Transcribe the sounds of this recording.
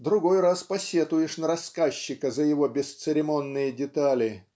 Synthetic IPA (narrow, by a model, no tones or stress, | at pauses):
d̪ɾʊɡo̞jraspɐsʲet̪ʊjɪʂnəɾɐskaɕːɪkəzəjɪvo̞bʲɪst̪sɨɾʲɪmo̞nːɨjədʲɪt̪alʲɪ